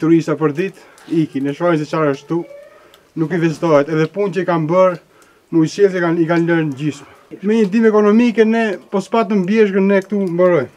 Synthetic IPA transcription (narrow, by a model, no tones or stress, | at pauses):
t̪uɾist̪apəɾd̪it̪ | ikinɛʃaɾis̬ɛt͡ʃaɾəʃtt̪u | nukivɛzit̪ɔɦɛt̪ɛðɛpunt͡ɕəikambəɾ | nujsɛlɛanikanləɾnɟiʃmɛ | mɛɲəd̪imɛkɔnɔmikɛnɛpɔspat̪̬əmbjɛʃ̬ɡənːɛkt̪umbəɾɔjm